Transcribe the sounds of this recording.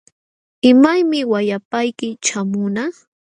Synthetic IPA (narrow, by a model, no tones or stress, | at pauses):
ɪmajmɪwajapajkɪt͡ʃamʊna